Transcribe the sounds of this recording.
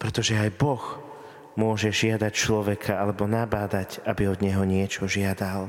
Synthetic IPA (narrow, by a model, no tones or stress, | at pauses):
pɾɛt̪ɔʒɛajbɔx | mʊɔʒɛʒɪad̪act͡ʃlɔʋɛkʰaalɛbɔnabaːd̪acʔabiɔd̪ɲɛɦɔɲɪɛt͡ʃɔʒɪad̪al